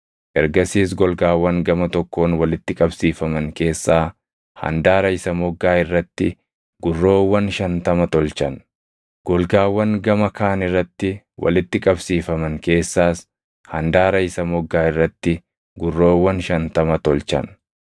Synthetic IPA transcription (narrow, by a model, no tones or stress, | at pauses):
ʔɛɾɡɐsiːsɡɔlɡaːwːɐŋɡɐmɐt̪ɔkːo̞ːnwɐlɪt̪ːɪkʼɐbsiːfɐmɐŋke̞ːsːaː | hɐ̰nd̪aːɾɐɪsɐmɔɡːaːɪrːɐt̪ːɪ | ɡʊrːo̞ːwːɐnʃɐnt̪ɐmɐt̪ɔlt͡ʃɐn | ɡ̥ɔlɡaːwːɐŋɡɐmɐkaːnɪrːɐt̪ːɪ | wʔɐ̰lɪt̪ːɪkʼɐbsiːfɐmɐŋke̞ːsːaːs | hɐ̰nd̪aːɾɐɪsɐmɔɡːaːɪrːɐt̪ːɪ | ɡʊrːo̞ːwːɐnʃɐnt̪ɐmɐt̪ɔlt͡ʃɐ̰n